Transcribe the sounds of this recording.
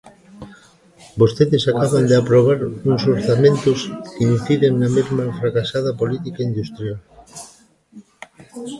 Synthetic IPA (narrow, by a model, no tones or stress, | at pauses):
bost̪eðɪsakaβand̪eapɾoβaɾuŋsoɾθamẽnt̪ʊskinθiɾeŋnɐmezmafɾakasað̞ɐpolit̪ikaind̪ust̪ɾjal